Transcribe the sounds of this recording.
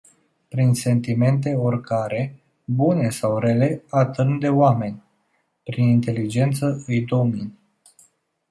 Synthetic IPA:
pɾinse̞nt̪ime̞nt̪e̞orkaɾe̞ | bune̞sawɾe̞le̞at̪ɨnd̪e̞owame̞nʲ | pɾinint̪e̞lid͡ʒe̞nt̪səɨjd̪o̞min

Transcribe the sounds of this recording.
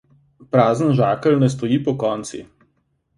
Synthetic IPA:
pɾaːzənʒaːkəlnɛs̬t̪ɔjiːpɔkɔːnt̪sḭ

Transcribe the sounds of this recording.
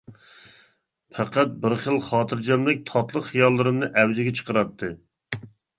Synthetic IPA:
pʰæqʰæt̪̚bɪɾχəlˠχɑːt̪ʰɨɾd͡ʒɛmlɪk̚ʲt̪ʰɑt̪lˠəqχijɑlˠːɨɾɨmnɨʔɛwzɪɡʲɛt͡ʃʰə̥qəɾɑt̪ʰːɨ

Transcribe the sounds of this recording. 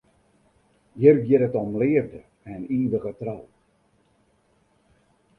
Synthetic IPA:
jərɡjɪɾətɔmlɪəvdə | ɛniːʋəɣətraw

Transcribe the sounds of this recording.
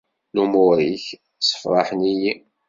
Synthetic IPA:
lumʊɾiç | sə̥fɾˤɑ̰ħəniji

